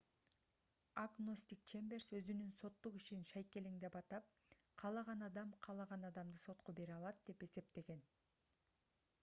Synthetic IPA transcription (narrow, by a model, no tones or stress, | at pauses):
aɡnosʲt̪ʲikt͡ʃembe̞rsø̞zynynso̞t̪ːuqiʃinʃɑjke̞liŋd̪epɑt̪ɑp̚ | qʰɑlˠɑʁɑnɑd̪ɑmqʰɑlˠɑʁɑnɑd̪ɑmd̪ɯso̞t̪qobe̞ɾɑlˠɑt̪̚d̪̥e̞pe̞se̞p̚t̪e̞ɡe̞n